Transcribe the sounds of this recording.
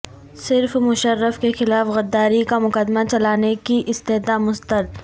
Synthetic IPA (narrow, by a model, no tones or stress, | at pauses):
sɪɾfmʊʃəɾːəfkexɪlaːfɣɐd̪ːaːɾikamʊkəd̪mat͡ʃɐlaːnekiʔɪst̪eɦd̪amʊst̪əɾd̪